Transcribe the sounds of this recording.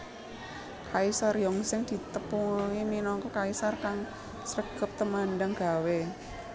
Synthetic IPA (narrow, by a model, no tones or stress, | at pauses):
kaisarjɔŋsɪŋd̪̥i̤t̪əpuŋiminɔŋkɔkaisarkaŋ | sɾəɡ̥ə̤p̚t̪əmandaŋɡ̥a̤we